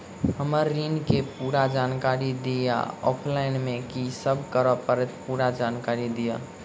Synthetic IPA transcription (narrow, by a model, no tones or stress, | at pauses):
həməɾːinkepuɾad͡ʒankaɾid̪ija̰ɔ̰pʰlainmekisəbʱkəɾəpəɾɛt̪puɾad͡ʒankaɾid̪ija̰